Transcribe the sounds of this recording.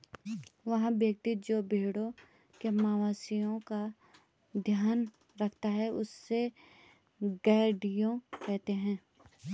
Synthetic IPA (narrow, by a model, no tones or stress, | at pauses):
ʋɐɦãbjək̚t̪ɪt̪̚d͡ʒoːbʱeːɽõ | kemaːʋaːsijõka | d̪ʱjaːn | ɾɐkʰt̪aɦɛʊsːe | ɡɛːɖijõkɛɦt̪eɦɛ̃ː